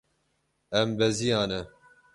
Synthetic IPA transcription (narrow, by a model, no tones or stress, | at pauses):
ɛmbɛzijɑːnɛ